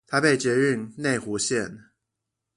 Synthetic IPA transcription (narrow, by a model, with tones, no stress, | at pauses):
t̪ʰa˥pe˥˩ɪt͡ɕɥɛ˨˧˥ɻy˥˩ŋne˥˩ɪxu˧˥ɕjɛ˥˨n